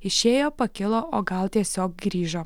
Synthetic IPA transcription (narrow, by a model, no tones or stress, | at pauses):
ɪʃʲeːjoːpɐkʲɪlˠoːʔoːɡɐlˠt̪ʲiɛsʲoːk̚ɡɾʲiːʒoː